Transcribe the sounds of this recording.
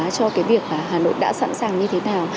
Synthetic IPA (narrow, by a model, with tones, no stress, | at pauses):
t͡ɕɔ˧kaː˨˦jvi˨˩ək̚maː˨˩ɦaː˨˩no̰˧˨jɗa̰ː˧˥sa̰˧˥nsaː˨˩ŋɲɨ˧t̪ʰe˨˦naː˨˩w